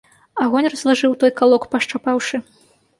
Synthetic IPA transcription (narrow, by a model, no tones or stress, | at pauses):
aɣɔnʲrɐzlˠaʐɨwt̪ɔjkalˠɔkpɐʂt͡ʂapawʂɨ